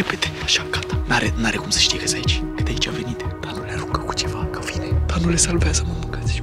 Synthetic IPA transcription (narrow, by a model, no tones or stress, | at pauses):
ɾepet̪eaʃakat̪ḁnaɾenaɾekumsə̥ʃt̪iekəsait͡ʃʲkɨt̪eait͡ʃʲave̞nit̪d̪̥anuleaɾukəku̥t͡ʃevakə̥vined̪̥anulesalvasəməmɨŋkat̪sʲʃ